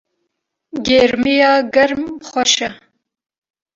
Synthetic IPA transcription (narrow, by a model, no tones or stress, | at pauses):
ɡeːɾmijɑːɡɐɾmχʷɐʃɐ